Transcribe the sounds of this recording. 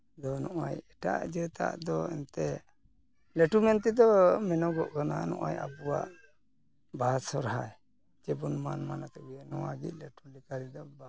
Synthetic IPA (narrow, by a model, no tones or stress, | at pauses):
d̪ɔnɔʔa̰jɛʈa̰ʔd͡ʒɛt̪a̰ʔd̪ɔɛ̰nt̪ɛ | lɛʈumɛnt̪id̪ɔmɛnɔɡɔʔkananɔ̰ʔa̰ja̰puwa̰ʔ | basɔɾɦaj | d͡ʒɛbunmanmanat̪ɛbiɛnɔwaɡḭc̪̚lɛʈulikaɾid̪ɔba